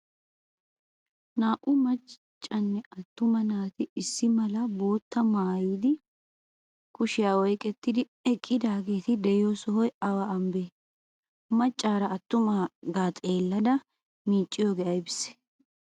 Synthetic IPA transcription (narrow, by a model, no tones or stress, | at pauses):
naːʔʼʊmɐt͡ʃ | t͡ʃʼːɐnːɛɐt̪ːʊmɐnaːt̪ɪɪsːɪmɐlɐbo̞ːt̪ːɐmaːjiːd̪ɪ | kʊʃɪjaːwɔjkʼɛt̪ːɪd̪ɪ | ɛkʼːɪd̪aːɡe̞ːt̪ɪd̪ɛjosɔɦɔjɐwaɐmbeː | mɐt͡ʃʼːaːɾɐːt̪ːʊmaːɡaːt̪ʼe̞ːlːɐd̪ɐ | miːt͡ʃʼːɪjoːɡɛʔɐjbɪsɛ̥